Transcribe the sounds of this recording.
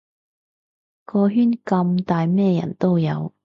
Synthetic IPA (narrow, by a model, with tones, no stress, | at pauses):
kɔː˧ɦyː˥nkɐ˧mt̪aː˨jmɛː˥jɐ̰˨˩nt̪o˥wjɐ˨˧w